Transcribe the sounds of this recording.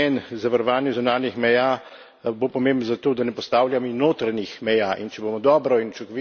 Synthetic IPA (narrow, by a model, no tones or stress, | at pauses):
ɛnzaʋaɾɔʋaːnjɛzunaːnixmɛjaː | bopɔmẽːmbənzat̪oːd̪anɛpɔst̪aːwljaminoːt̪ɾanixmɛjaːʔint͡ʃɛboːmɔd̪ɔːbɾɔint͡ʃukʋi